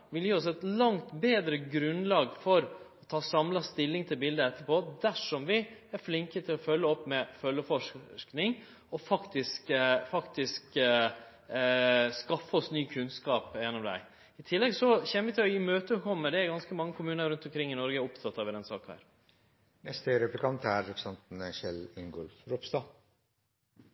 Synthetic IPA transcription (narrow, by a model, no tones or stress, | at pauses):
ʋɪljiːɔs̬ɛt̪lɑŋt̪beːd̪ɾəɡɾʉnlɑːɡfɔɾɔt̪ʰɑːsɑmlɑst̪ɪlːɪŋt̪ʰɪlbɪld̪əɛt̪ːəɾpoːd̪æʂɔmʋɪæɾflɪŋkət̪ʰɪlɔfœlːəɔpːmɛfœlːəfɔʂknɪŋ | ɔfɑkt̪ɪskfɑkt̪ɪsk | skɑfːəɔsnyːkʰʉnskɑːpjɛnːɔmd̪æ̰ɪ | ɪt̪ʰɪlːɛɡsɔçɛnːəʋɪt̪ʰɪlɔjiːmøːt̪əkʰɔmːəd̪ɛæɾɡɑnskəmɑŋːəkʰʊmʉːnəɾʉnt̪ɔmkʰɾɪŋːɪnɔɾɡəæɾɔpt̪ʰɑt̪ːɑʋɪɾd̪ɛnsɑ̰ːknhæ̰ːɾ | nɛst̪əɾɛplɪkʰɑnt̪ʰæɾːɛpʰɾsɛnt̪nʃɛlɪŋɡɔlfɾɔpst̪ɑː